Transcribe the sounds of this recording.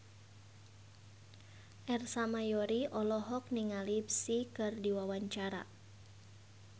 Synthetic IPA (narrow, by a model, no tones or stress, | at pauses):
ʔɛrsamajɔɾiʔɔlɔɦɔk̚niŋalipsikɨrdiwawaɲt͡ʃaɾa̰